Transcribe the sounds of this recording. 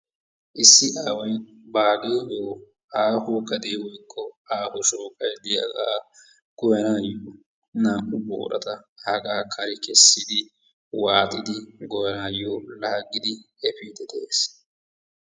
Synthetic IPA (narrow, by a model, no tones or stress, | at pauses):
ʔɪsːɪʔaːwɐj | baːɡeːʔoː | aːhʊkɐd̪eːwɔjkʼːɔaːhʊʃoːkʼɐjd̪ɪjɐɡaː | ɡ̥ɔjɐnaːjoː | naːʔʊbo̰ːɾɐ̰t̪ɐhɐɡaːkʰɐɾɪkɛsːɪd̪ɪ | waːt̪ʼɪd̪ɪɡɔjɐnaːjːoːlɐhɐɡːɪd̪ɪ | ɛpiːd̪ɛd̪eeːs